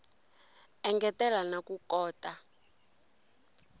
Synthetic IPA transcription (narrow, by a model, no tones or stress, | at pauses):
ɛŋɡɛtɛlanakukɔːtʼa